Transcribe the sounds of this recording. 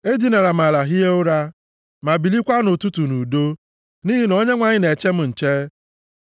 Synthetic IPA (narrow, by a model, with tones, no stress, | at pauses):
e˦di˨na˨ɾa˨m̩˨a˨la˨ɦi˦e˦ʊ˦ɾa˦ | ma˨bi˨li˦kʷa˦nʊ˨tu˦tu˨nu˨do˦ | ni˦ɦi˨no˦ɲe˦ŋʷa˨ɲɪ˦ne˨t͡ʃe˦m̩˦n̩˨t͡ʃe˦